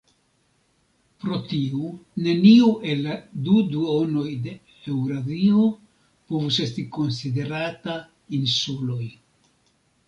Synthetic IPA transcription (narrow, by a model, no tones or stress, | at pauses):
pɾo̞tiune̞niuʔe̞laduduo̞no̞jde̞ | e̞wɾavio | povuse̞stiko̞nside̞ɾata | insulo̞j